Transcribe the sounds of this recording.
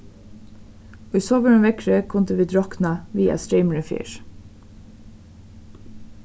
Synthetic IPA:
oːiːsoːʋəŋʋɛkɹəkʰʊnd̪əʋiːd̪ɹɔknɑʋiːɑ̰st̪ɹiɪməɹɪfḭːɹ

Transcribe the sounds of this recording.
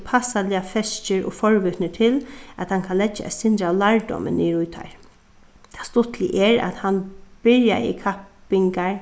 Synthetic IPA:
pʰasalɪafɛst͡ʃəɹɔ̰ːfɔɹʋʏt̪nət̪ʰɪlæt̪hankʰanlɛd͡ʒa̰ʔɛ̰sɪnd̪ɾalaɹdɔ̰mə̰nːiɾʊjt̪ʰa̰ɹ | t̪ʰḁst̪ʊt̪ʰlɪʔɛɹa̰t̪hanb̥ɪɹja̰ɪ̰kʰapɪŋkaɹ

